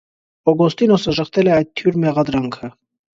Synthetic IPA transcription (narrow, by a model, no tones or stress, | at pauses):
ɔɡɔst̪inɔsəʒəχt̪ʰɛlɛɑjd̪̚t̪ʰːjuɾmɛʁɑd̪ɾɑŋkʰə